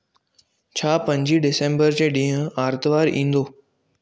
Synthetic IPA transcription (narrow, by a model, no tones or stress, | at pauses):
t͡ɕʰaːpɐ̃ɲd͡ʑiɖɪsẽːmbəɾd͡ʑeːɗĩːɦʊ̃aːɾt̪ʋaːɾʔĩːn̆d̪oː